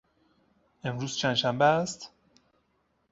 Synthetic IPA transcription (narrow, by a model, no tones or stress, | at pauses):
e̞mɾuːz̥t͡ʃʰænd̪ʃæmbeæst̪